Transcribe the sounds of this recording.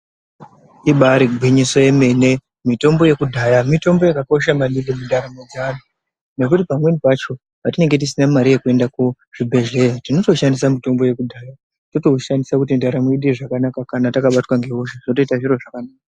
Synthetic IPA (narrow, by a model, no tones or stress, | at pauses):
iɓaɾiɡʱwiɲiso̞je̞me̞ne̞ | mito̞mbo̞je̞kudʱajamito̞mbo̞jakako̞ʃ̬amalindemundaɾamod͡zana | ne̞k̬utipamwe̞nipat͡ʃo̞ | ʋatine̞ŋɡe̞t̬isinamaɾije̞kue̞ndaku | ʐ̥ibʱe̞ʒejatino̞to̞ʃandisamito̞mbo̞je̞kudʱaːja | toto̞uʃandisakutindaɾamoiɗiʐakanakakanatakaɓatwaŋɡe̞ɦoʃaʐinoto̞itaʐiɾo̞ʐakanaːka